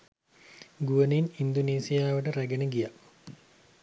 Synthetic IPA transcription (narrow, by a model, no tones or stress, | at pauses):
ɡuʋəninind̪oneːsijaːʋəʈəɾæɡenəɡija